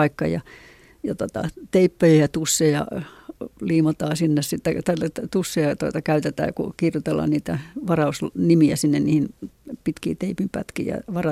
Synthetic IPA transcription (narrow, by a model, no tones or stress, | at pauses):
ɑikːɑjɑ̰ | jɑt̪ot̪ɑ̰t̪eipːøjæjɑt̪usːejɑ̰ | liːmot̪ɑːsinːessit̪ːæt̪ælːt̪t̪usːeɑt̪oit̪ɑkæyt̪et̪æ̰ːkṵkirjut̪elːɑ̰ːnniːt̪æʋɑrɑusnimiæsinːenniːhinpit̪kḭːt̪eipimpæ̰t̪kḭjɑ̰ʋɑrɑ